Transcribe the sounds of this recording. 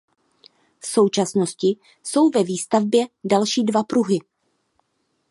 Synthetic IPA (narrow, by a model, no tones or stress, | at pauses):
fso̞wt͡ʃasno̞scɪ | so̞wvɛviːst̪avbjɛdalʃiːdvapɾuɦɪ